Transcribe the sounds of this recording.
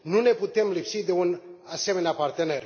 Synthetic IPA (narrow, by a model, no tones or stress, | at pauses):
nune̞put̪e̞mlipsid̪e̞unase̞meneapart̪e̞ne̞r